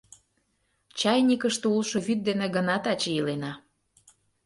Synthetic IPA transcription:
t͡ɕɑjnʲikəʃt̪eulʃoβyt̪̚d̪eneɡənɑt̪ɑt͡ɕeilenɑ

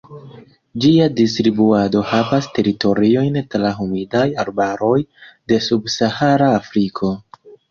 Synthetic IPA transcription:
d͡ʒiadistɾibuado̞havaste̞ɾito̞ɾio̞jntɾaɦumidajaɾbaɾo̞jde̞subsahaɾaːfɾikʰo̞

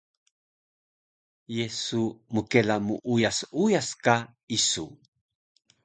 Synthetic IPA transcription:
jesumukelamuʔujasujaska | isu

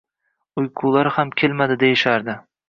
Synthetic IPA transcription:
ʊjqʰʊlˠaɾhamkʲʰelmad̪ɪd̪ejɪʃaɾd̪ɪ

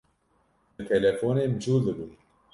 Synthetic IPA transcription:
ɨt̪ʰɛlɛfoːneːmɨd͡ʒuːld̪ɨbun

